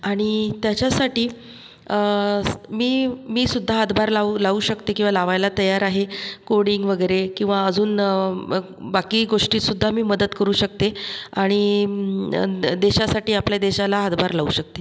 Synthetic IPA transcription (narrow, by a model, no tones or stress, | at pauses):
aɽ̃it̪jat͡ɕasaʈiː | miːmiːsud̪ʱːaɦat̪bʱaɾlaulauːɕəkt̪ekĩw̃ʋalaʋajlat̪əjaɾaɦekoɽiŋɡʋəɡəjɾekĩw̃ʋaəd͡zuːn | bakiːɡoʂʈiːsud̪ʱːamiːməd̪ət̪kəɾuːɕək̚t̪eaɽ̃i | d̪eɕasaʈiːapljad̪eɕalaɦat̪bʱaɾlaṵɕək̚t̪e